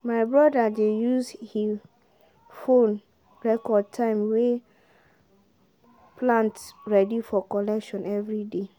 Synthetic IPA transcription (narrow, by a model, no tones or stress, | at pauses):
maɪbɹɔdadejushi | fõn | ɹɛkʰɔd̚tʰãɪmwe | pʰlãntɹɛdifɔkɔlɛkʃɔ̃nɛvɹide